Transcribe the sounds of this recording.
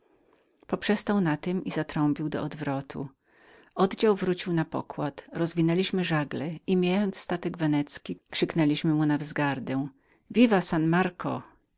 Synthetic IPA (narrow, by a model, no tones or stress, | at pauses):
pɔpʂɛst̪awnat̪ɘmizat̪ɾɔmpʲiwd̪ɔ̰ɔd̪vɾɔt̪ʰṵ | ɔd̪d͡ʑawvɾut͡ɕiwnapɔ̰kwat̪ɾɔzvʲinɛlʲiɕmɘʐaɡlɛimʲjajɔnt̪sːt̪at̪ɛɡvɛnɛt̪skʲikʂɘknɛlʲiɕmɘmunavzɡaɾd̪ɛw̃ | vʲivasanmaɾkʰɔ